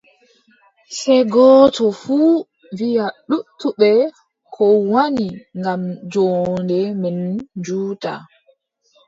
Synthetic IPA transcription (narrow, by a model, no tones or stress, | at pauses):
sɛɡɔːtɔfuː | vijaɗutʰːuɓɛ | kʰɔwaniŋɡamd͡ʒɔndɛmɛnd͡ʒuːta̰